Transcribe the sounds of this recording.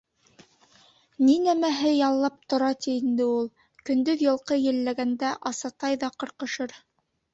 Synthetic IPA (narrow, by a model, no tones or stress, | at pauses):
ninæmæɦɘjɑlˠːɑp̚t̪ŏɾɑt̪iːnd̪ɘulˠ | kɵ̆nd̪ɵðjɤ̆lˠqɤjɘ̆lːæɡænd̪æʔɑsɑt̪ɑjðɑqɤ̆ɾqɤ̆ʃɤɾ